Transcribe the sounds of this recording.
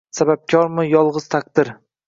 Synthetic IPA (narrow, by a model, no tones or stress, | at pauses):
sabap̚kʲʰɒɾmɪjɒlˠʁɨz̥t̪ʰak̚d̪ɪɾ